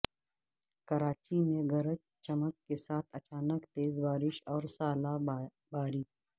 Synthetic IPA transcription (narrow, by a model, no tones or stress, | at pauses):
kɐɾaːt͡ʃimẽɡɐɾət͡ʃ | t͡ʃɐməkːesaːt̪ʰɐt͡ʃaːnəkt̪eːzbaːɾɪʃɔːɾsaːla | baːɾiː